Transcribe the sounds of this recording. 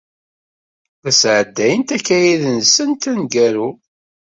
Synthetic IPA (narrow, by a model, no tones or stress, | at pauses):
θæsʕəd̪ːæjənt̪ækːæjiðənsənt̪ænɡæɾu